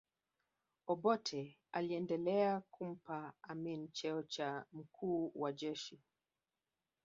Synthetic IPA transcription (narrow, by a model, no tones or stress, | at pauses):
ɔɓɔtʰɛ | aliɛndɛlɛakum̩paaminit͡ʃɛɔt͡ʃam̩kuːwad͡ʒɛʃi